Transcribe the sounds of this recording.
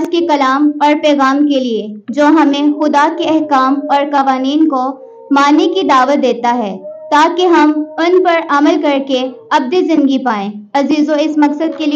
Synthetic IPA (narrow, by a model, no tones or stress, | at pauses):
d͡ʒkekɐlaːmɔːɾpɛːɣaːmkelied͡ʒoːɦɐmẽxʊd̪akeɛɦkaːmɔːɾkɐʋaːniːnko | maːnekid̪aːʋət̪̚d̪eːt̪aɦɛːt̪aːkeɦɐmʊnpɐɾɐməlkɐɾkeɐb̚d̪ezɪ̃nd̪ɡipaːẽːɐziːzõɪsmɐksəd̪̚keli